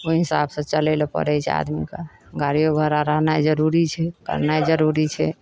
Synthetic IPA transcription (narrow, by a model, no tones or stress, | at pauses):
oɦisa̰bsə̃t͡ʃəlɛlɔpə̰ɾɛjt͡ʃʰɛ̰a̰d̪mikḛɡaɾijoɡʱəɾaɾəɦnajd͡ʒəɾuɾit͡ʃʰɛkə̰ɾnajd͡ʒəɾuɾit͡ʃʰɛ